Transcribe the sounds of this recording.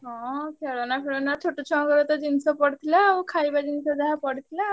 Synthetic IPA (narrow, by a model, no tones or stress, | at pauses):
ɦɔ̃kʰeɭɔnakʰeɭɔnat̪ʰoʈut͡ɕʰɔkəɾɔt̪əd͡ʑinsɔpəɽt̪ʰilakʰaibad͡ʑinsɔd̪aɦapəɽt̪ʰila